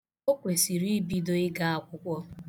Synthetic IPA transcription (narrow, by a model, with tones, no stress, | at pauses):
o˦kʷe˨si˨ɾi˦bi˦do˦ɪ˦ɡa˦a˨kʷʊ˦kʷɔ˦